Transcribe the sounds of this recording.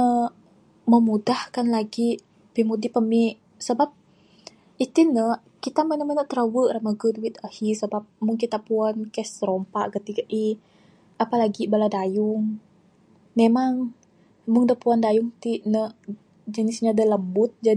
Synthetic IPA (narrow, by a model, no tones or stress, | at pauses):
ə | məmudahkanlaɡi | pimudipəmiʔ | səbap̚ | it̪inə | kit̪amənəmənəʔt̪ɾəwəʔramaɡəduwit̪ahisəbap̚muŋkit̪apuankɛsɾompaʔkət̪iɡaʔi | apalaɡibaladajʊŋ | memaŋ | mʊŋdapuandajʊŋt̪iʔnəʔ | d͡ʒənɪsɲadaləmbʊt̪̚d͡ʒa